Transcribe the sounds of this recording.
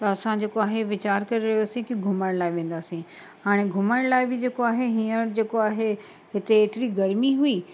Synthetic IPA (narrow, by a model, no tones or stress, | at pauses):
t̪ɐɐsãd͡ʑeːkoaːɦeʋɪt͡ɕaːɾkɐɾeɾɐɦjoːsĩkiɡʱʊməɽ̃laːɪʋẽːn̆d̪aːsĩ | ɦaːɽ̃eɡʱʊməɽ̃laːɪbɪd͡ʑeːkoaːɦeɦiːəɾd͡ʑeːkoaːɦe | ɦɪt̪eːt̪ɪɾiɡɐɾmiɦui